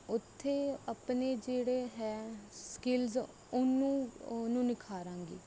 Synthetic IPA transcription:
ʊt̪ʰːeːəpneːd͡ʒeːɽeːɦɛːskɪlz | ʊnũːnũːnɪkʰaːɾãːŋɡḛː

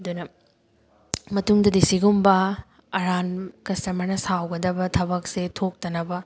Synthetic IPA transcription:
ɐd̪unɐ | mɐtuŋdɐdisiɡumbɐ | ɐɾankɐstɐmɐɾnɐsawɡɐd̪ɐbɐtʰɐbɐk̚setʰok̚tɐnɐbɐ

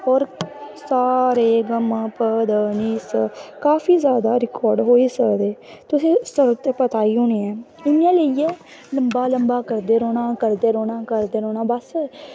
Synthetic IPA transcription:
ɔːɾsaːɾeːɡəmpəd̪əniːsəkaːfʰiːzjaːd̪aːɾɪkɔːɾɖɦoːiːsəd̪eː | t̪ʊsĩːsəɾt̪eːpət̪aːiːɦoːniːɛː | ɪnãːləiɛː | ləmbaːləmbaːkəɾd̪eːɾoːnaːkəɾd̪eːɾoːɽaːkəɾd̪eːɾoːnaːbəs

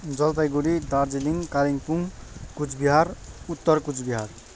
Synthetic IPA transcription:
d͡zʌlpajɡoɽid̪ard͡ziliŋkaliŋpuŋkut͡sbiɦarut̪ːʌrkud͡zbiɦar

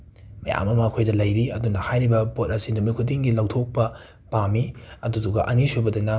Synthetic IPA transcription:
mɐja̰mɐmɐːkʰojdɐlɐjɾiɐdunɐhajɾibɐpot̚ɐsinumikʰutdiŋɡilɐwtʰok̚pɐ | pamiɐduduɡɐʔɐnisobɐdɐnɐ

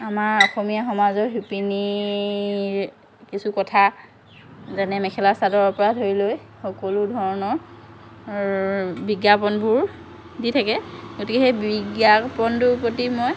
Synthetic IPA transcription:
amaɹɔxɔmijaxɔmazɔɹɦupini | ɹ | kisukɔtʰa | zɛnɛmɛkʰɛlasadɔɹɔpɔɹatɦojloj | xɔkɔludʱɔɹɔnɔɹ | biɡjapɔnbʊɹ | ditʰakɛɡotikɛxejbiɡjapɔntʊpɹotimɔj

